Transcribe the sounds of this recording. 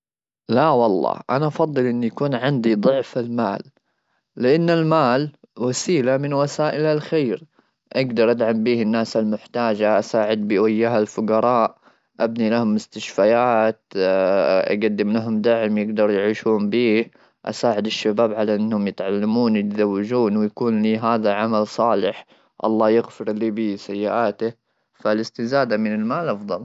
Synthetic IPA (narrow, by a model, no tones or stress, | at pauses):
lawɑlˤːɑ̰ːʔanaʔɑfɑðˤːɨlʔɪnːjakuːnʕɪnd̪id̪ˤʊʕfalmaːlː | ɪʔanːalmaːl | wasiːlamɪnwasaːʔɪlalxeːɾ | ʔaɡd̪ɑɾˤʔad̪ʕambiːhɪnːaːsalmʊħt̪aːd͡ʒaʔasaːʕɪd̪̚bɪwajːaɦalfʊɡɑɾˤɑːʔ | ʔabnilahʊmːʊst̪aʃfajaːt̪ | ʔa̰ɡad̪ːɪmlaɦʊmd̪aʕmjɪɡd̪ɑɾˤjʕiːʃuːmbiː | ʔa̰saːʕɪd̪ɪʃːabaːbʕalaʔɪnːhʊmjɪt̪ʕalːamuːnjɪt̪zawːɪd͡ʒuːnwɪjakuːnliːɦaːðaʕamalsˤɑːlɪħ | ʔɑ̰lˤːɑːjɪɣfɪɾliːbisajːɪʔaːt̪ɪ | falɪst̪ɪzaːd̪amɪnɪlmaːlʔɑfðˤɑl